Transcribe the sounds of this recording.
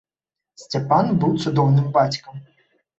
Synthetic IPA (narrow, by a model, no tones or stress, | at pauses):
sʲtʲɛpanbuwt̪sʊd̪ɔwnɨmbat͡sʲkɐm